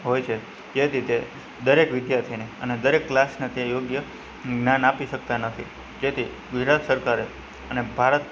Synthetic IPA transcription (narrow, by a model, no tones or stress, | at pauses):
ɦojt͡ʃʰe | d͡ʒet̪ʰit̪e | d̪əɾekʋɪd̪jaɾt̪ʰineəned̪əɾekːlasnet̪ejoɡjə | ɡnanapiʃək̚t̪anət̪ʰi | d͡ʒet̪ʰi | ɡʊd͡ʒɾat̪səɾkaɾe | ənebʱaɾət̪̚